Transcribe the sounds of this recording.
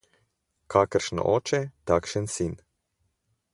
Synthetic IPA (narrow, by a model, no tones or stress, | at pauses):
kʰakəɾʃnɔ̰ʔɔːt͡ʃɛt̪akʃənsin